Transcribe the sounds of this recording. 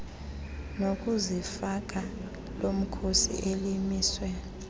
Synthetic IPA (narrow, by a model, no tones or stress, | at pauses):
nok̬ʼuzifak̬ʼa | lom̩kʰosḭʔelimiːswɛ